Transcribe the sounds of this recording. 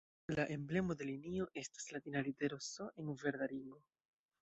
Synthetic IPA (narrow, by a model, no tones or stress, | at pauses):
laʔe̞mble̞mo̞d̪e̞linio̞ʔe̞stḁslatinalite̞ɾosoʔeŋve̞ɾd̪aliŋɡo̞